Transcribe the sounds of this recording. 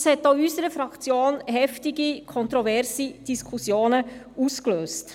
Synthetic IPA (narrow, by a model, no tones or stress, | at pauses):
shɛt̚d̥oːysəɾəfɾɑkt͡sjoːnhɛftɪɡikʰɔntɾɔvɛɾsid̥iskʰusjoːnə | uːskløːst